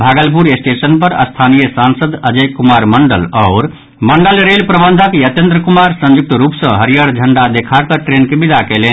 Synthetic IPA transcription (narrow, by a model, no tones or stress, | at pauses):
bʱaɡəlp̬uɾesʈesənpəɾə̰st̪ʰanijəsansəd̪əd͡ʒəkːumaɾməɳɖə̰lɔʊɾ | məɳɖəlɾelpɾəbənd̪ʱakejət̪jə̃nd̪ɾəkumaɾsə̃nd͡ʒuk̚t̪əɾupsə̃ɦəɾijəɽd͡ʒʱəɳɖad̪ekʰakəʈɾenkebid̪ʱakelen